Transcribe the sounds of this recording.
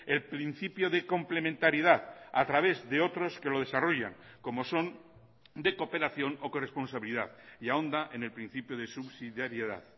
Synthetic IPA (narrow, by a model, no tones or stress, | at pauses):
e̞lpɾin̟θipjo̞ðe̞ko̞mple̞mẽnt̪aɾiðaða̰t̪ɾaβ̞e̞zðe̞o̞t̪ɾo̞ske̞lo̞ð̞e̞saro̞ʝa̰ŋko̞mo̞so̞n | d̪e̞ko̞pe̞ɾaθjo̞no̞korespo̞nsaβiliða̰ðiao̞nd̪aʔene̞lpɾĩn̟θipjoð̞e̞suβsiðjaɾjeða̰ð